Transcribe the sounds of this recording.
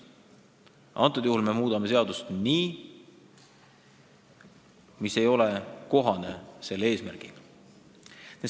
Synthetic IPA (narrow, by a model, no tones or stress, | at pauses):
ʔɑ̰nt̪ːˑud̪̥juhulme̞muːd̪̥ɑme̞se̞ɑd̪̥ust̪niː | mise̞jo̞leko̞ɦɑne̞se̞lːe̞ːsmæɾɡ̥il | ne